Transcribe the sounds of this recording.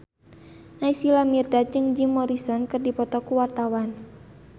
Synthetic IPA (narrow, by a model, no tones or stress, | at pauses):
naisilamirdad͡ʒɨŋd͡ʒimɔɾisɔnkɨrdipɔt̪ɔkuwart̪awan